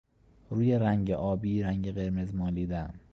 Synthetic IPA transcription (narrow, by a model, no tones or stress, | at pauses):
ɾuːje̞ɾæŋɟeʔɒːbiːɾæŋɟeɣe̞ɾme̞zmɒːliːd̪æm